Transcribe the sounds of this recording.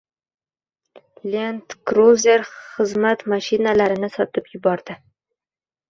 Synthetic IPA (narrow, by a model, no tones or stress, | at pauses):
lent̪kɾozeɾχɨzmat̪maʃinalaɾɪnɪsɒt̪ɪpjʊbɒɾd̪ɪ